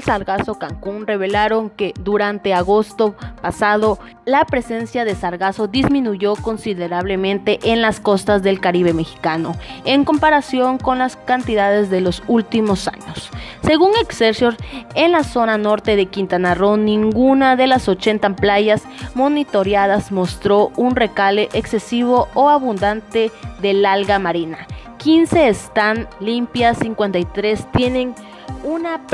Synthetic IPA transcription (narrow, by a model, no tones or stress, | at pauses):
elsaɾɣaso̞kaŋkunre̞βe̞laɾo̞ŋke̞ðuɾant̪e̞aɣost̪o̞pasað̞o̞ | lapɾe̞se̞nsjaðesaɾɣaso̞ðizmĩnuʝo̞ko̞nsiðe̞ɾaβle̞mẽ̞nt̪e̞ʔenlasko̞st̪azðe̞lkaɾiβ̞e̞me̞xi̥kano̞e̞ŋko̞mpaɾasjo̞ŋko̞nlaskant̪iðaðe̞zðe̞lo̞sult̪imo̞sa̰ɲosːe̞ɣuŋekseɾsjoɾenlaso̞nano̞ɾt̪e̞ðe̞kint̪anaronːĩŋɡunaðelaso̞t͡ʃent̪amplaʝas | mo̞nit̪o̞ɾjað̞azmo̞st̪ɾounre̞kaleʔeksesiβooaβund̪ant̪eðelalɣamaɾinakinse̞ːst̪anlimpjasiŋkwe̞nt̪ajt̪ɾest̪je̞neŋ | unap